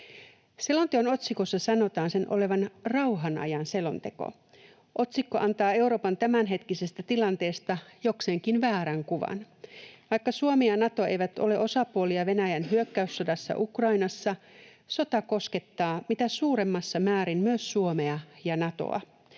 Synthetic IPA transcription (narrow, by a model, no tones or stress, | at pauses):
se̞lont̪ekono̞t̪siko̞sːɑsɑno̞t̪ɑːnse̞nʔo̰le̞ʋɑnrɑwɦɑnɑ̰jɑnse̞lo̞nt̪e̞ko̰ | ʔo̞t̪sikːo̞ʔɑnt̪ɑːe̞wɾo̞ːpɑnt̪æmænɦe̞t̪kisest̪æt̪ilɑnt̪e̞ːst̪ɑjo̞kseŋkinʋæːɾæŋkuʋɑ̰n | ʋɑjkːɑsuomeɑnɑt̪oe̞̰jʋæt̪o̞̰le̞ʔo̞sɑpuoliɑʋe̞næjænɦyøkːæysːo̞dɑsːɑ̰ʔukrɑinɑsːɑ | so̞t̪ɑko̞ske̞t̪ːɑːmit̪æsuːɾe̞mːɑsːɑmæːɾimmyøsːuomeɑjɑnɑt̪o̞̰ɑ̰